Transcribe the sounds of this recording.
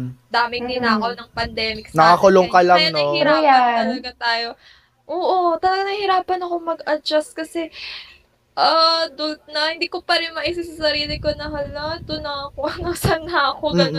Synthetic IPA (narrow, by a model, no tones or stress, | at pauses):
d̪aːmɪt̪ɪnaːkɐwnɐŋpɐnd̪ɛːmɪk̚snɐkakʊloŋkɐlɐŋnɐhiɾajaɐlɐɡɐt̪aːjo̞ | ʔoːʔo̞t̪ɐlɐɡanɐhɪɾaːpɐnɐko̞mɐɡɐd͡ʒɐst̪̚kɐsɛ | ʔad̪ʊt̪̚nɐhɪnd̪iːkopɐɾɪnmɐʔisɪsasɐɾiːlɪkonɐɦɐlɐt̪ʊnɐɐkoʔɐnosɐnɐɐkoɡɐ